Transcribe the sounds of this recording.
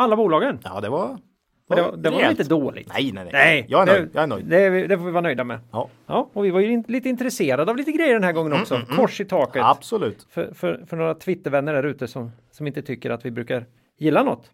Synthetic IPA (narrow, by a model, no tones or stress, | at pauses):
alːabuːlɑːɡənːd̪ɛva | d̪ɛd̪ɛvaɾɪnt̪əd̪oːlɪ̰nɛ̰j̪ɛnɛɪjjɑːɛd̪ɛjɑɛnœjd̪ɛvɪd̪ɛɾfoːvɪvɑːnœjd̪amɛ̰ | jɑːɔvɪvaɾjɵɪliːt̪əɪnt̪ɾɛseːɾad̪əavliːt̪əɡɾɛjːəɖɛnhæːɾɡɔŋːənɔkksɔkʰɔʂɪt̪ʰɑːkət̪ab̥sɔlʉːt̪fœfœfœɳoːɾat̪ʰvɪt̪ːəɾvɛnːəɖæɾʉ̟ːt̪əsɔm | sɔmɪnt̪ət̪ʰʏkːəɾat̪vɪbɾʉ̟ːkaɾ | jɪlːanɔ̰t̪ː